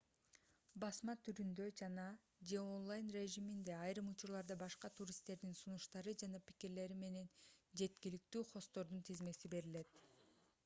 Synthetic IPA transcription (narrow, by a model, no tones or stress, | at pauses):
bɑsmɑt̪ʰyɾynd̪ø̞d͡ʒɑnɑ | d͡ʒe̞o̞nlˠajnrʲe̞ʒimind̪e̞ɑjɾɯmut͡ʃuɾlˠɑɾd̪ɑbɑʃqɑt̪ʰuɾʲist̪ːe̞ɾd̪insunuʃt̪ɑɾɯd͡ʒɑnɑpi̥kiɾle̞ɾime̞ne̞nd͡ʒe̞t̪kilik̚t̪yːχo̞st̪o̞ɾd̪unt̪ʰizme̞sibe̞ɾile̞t̪